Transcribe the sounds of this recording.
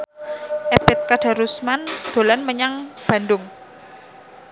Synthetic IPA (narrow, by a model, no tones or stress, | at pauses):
ʔeb̥ɛt̪̚kaɖ̥a̤ɾusmand̪̥o̤lanməɲaŋb̥ä̤ndʊŋ